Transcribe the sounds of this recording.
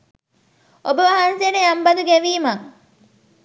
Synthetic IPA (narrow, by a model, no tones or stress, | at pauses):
obəʋɐɦanseneɐmbɐd̪uɡɛʋiːmɐŋ